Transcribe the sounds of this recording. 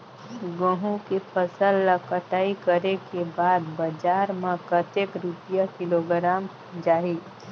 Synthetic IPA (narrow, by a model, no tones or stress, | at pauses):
ɡə̃ɦũkepʰəsəlːəkəʈaikəɾekebad̪bəd͡ʒaɾmekət̪ekɾupijakiloɡɾam | d͡ʒaɦi